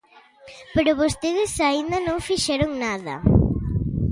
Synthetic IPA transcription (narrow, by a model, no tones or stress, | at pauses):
peɾʊβost̪eðɪsaind̪ɐnõŋfiʃɛɾʊŋnaðɐ̰